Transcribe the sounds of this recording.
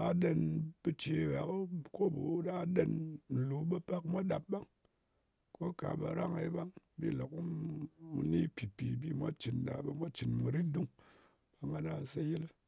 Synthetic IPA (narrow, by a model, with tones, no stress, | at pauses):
a˧ɗe˧nbɨ˧t͡ʃi˧˨wa˨kko˦bu˨˦da˦ɗe˧nn̩˨lu˨˦ba˦pa˦kmʷa˦ɗa˨p̚ba˦ŋ | ko˦ka̰˨ba˨ɾa˦ŋḛ˨˦ba˦ŋ | bḭ˦˨lo˨ku˦mṵ˨ni˦pi˨pi˨bi˦mʷa˦t͡ʃi˨n˨ɗa̰˨ba˧mʷa˦t͡ʃi˨nmu˨ɾi˦t̚du˦ŋ | ba˨ŋa˦na˦˨se˦ji˦l